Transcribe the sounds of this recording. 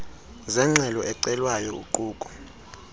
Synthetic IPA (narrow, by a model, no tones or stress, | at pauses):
zɛŋ͡ǁʱɛlɔʔɛǀɛlwajɔṵǃuːkʼu̥